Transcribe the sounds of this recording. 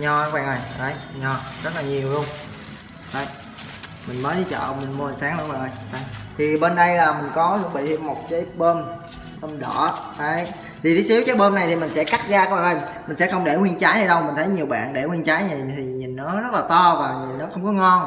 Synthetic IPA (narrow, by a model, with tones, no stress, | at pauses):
ɲɔ˧waː˧˩ŋʔə˧˩jʔə˨˧˩jɲɔ˧˩zə˦˥laː˨˩ɲi˨˩əwlu˧əŋ͡m | ɗə˧˩j | mï˨˩ŋ̟məː˨˦ɗi˧˩t͡ɕə̰ː˧˨mï˨˩ŋ̟mu˧ə˨˩nsaː˨˦ŋlu˧kwaː˨˩ŋʔəː˧jʔə˨˧˦jt̪ʰi˨˩ɓe˧nɗə˧jlaː˨˩mï˨˩ŋ̟kɔ˨˦lɨ˧˥ŋɓḭ˧˨t̪ʰi˧əmmo˨˩t̚kaː˨˦jɓəː˧m | ɓəː˧nɗɔ̰˧˩kaə˨˦j | t̪ʰi˨˩t̪ʰi˨˦si˨˦wkaː˨˦jɓəː˧na˨˩jt̪ʰi˨˩mï˨˩ŋ̟sɛ̰˧˥ka˦˥t̚ɣaː˧kwaː˧ʔə˧˩jmï˨˩ŋ̟sɛ̰˧˥xə˧wŋ͡mɗe˧˩ŋwi˧ənt͡ɕaː˨˦jhaː˧jɗə˧wŋ͡mmï˨˩ŋ̟t̪ʰə˨˦jɲi˨˩əwɓa̰ː˧˨nɗe˧˩ŋwi˧ənt͡ɕaː˨˦jɲa˨˩t̪ʰi˨˩ɲi˨˩nːɔ˨˦zə˦˥t̚laː˨˩t̪ɔ˧vaː˨˩ɲi˨˩nːɔ˨˦xə˧wŋ͡mkɔ˨˦ŋɔ˧n